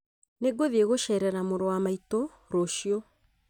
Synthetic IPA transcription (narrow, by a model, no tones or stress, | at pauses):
neɡoðieɣoʃɛɾɛɾamoɾowamaito | ɾoʃiɔ